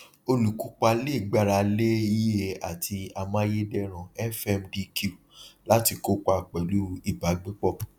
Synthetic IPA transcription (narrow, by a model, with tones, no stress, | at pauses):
o˧lu˨ku˨˦k͡pa˧le˦˨ɡ͡ba˧ɾa˧le˦i˦je˦˨a˨tʰi˧a˧mã˦je˦dɛ˦ɾ̃ã˨ɛ˦fɛ˧mdi˧ku˦˨ | la˦ti˧ko˦k͡pa˧˨k͡pɛ˨lu˦i˦˨ba˨˦ɡ͡bĩ˦k͡pɔ˦˨